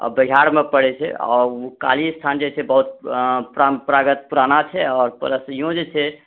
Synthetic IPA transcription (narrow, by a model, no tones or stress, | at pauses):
ɔ̰bəiɦaɾmepəɽɛt͡ʃʰɛ̰ɔ̰ɾuka̰list̪ʰand͡ʒet͡ʃʰɛbəɦut̪̚pɾapɾaɡət̪̚puɾanat͡ʃʰɛɔːɾpə̰ɾəsijõd͡ʒet͡ʃʰɛ